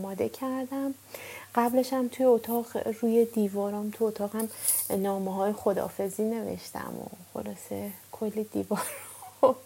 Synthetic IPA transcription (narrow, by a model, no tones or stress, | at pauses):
mɒːd̪e̞cʰæɾd̪æm | ɢ̥æbleʃæmt̪ʰujeot̪ʰɒːʁɾuːje̞d̪iːvɒːɾɒːmt̪ʰuot̪ʰɒːɣhæmnɒːmeɦɒːjexo̞d̪ɒ̰ːfe̞ziːne̞vḛʃt̪ʰæ̰mo̰xo̞̰lɒːse̞kʰolːid̪iːvɒːɾ